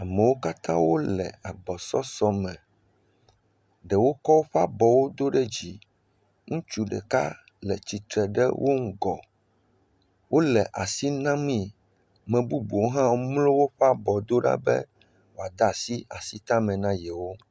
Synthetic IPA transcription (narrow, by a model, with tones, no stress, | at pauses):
a˨mɛ̃˨wo˦ka˦t̪ã̰˦wo˦lɛ̰˨a˨ɡ͡bɔ˨sɔ˦sɔ˦mɛ̃˨ | ɖɛ˨wo˦kɔ˦wo˦ɸa˦bɔ˨wo˦d̪o˦ɖɛ˦d͡ʑi˨ | ŋũ˦t͡ʃu˦ɖɛ̰˨ka̰˦ | lɛ̰˨t͡ɕi˨t̪ɾɛ˨ɖɛ̰˦wʔo˦ŋ̩˦ɡɔ˨ | wo˦lɛ˨ʔa˨si˦nã˦mĩ˦˨ | mɛ̃˨bu˦bu˨wo˦ɦã˦wo˦mlo˦wo˦ɸa˦bɔ˨d̪o˦ɖa̰˦bɛ̰˦ | wo˨a˨d̪a˨si˦a˨si˦t̪ã˦mɛ̃˨nã˦jɛ˨wo˦